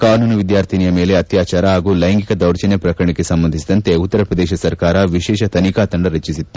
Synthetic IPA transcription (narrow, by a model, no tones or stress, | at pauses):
kaːnuːnɐʋid̪jaːɾt̪ʰinijɐmeːle̞ɐt̪jaːt͡ʃaːɾɐɦaːɡuːlɐjɐŋɡikɐd̪ɐwɾt͡ʃɐnepɾɐkɐɾɐɳekesɐmbɐnd̪isid̪ɐnt̪e̞ut̪ːɐɾɐpɾɐd̪ɛːʃɐsɐɾkaːɾɐʋiʃɛːʃɐt̪ʰɐnikaːt̪ɐɳɖɐɾɐt͡ʃisit̪ːu̥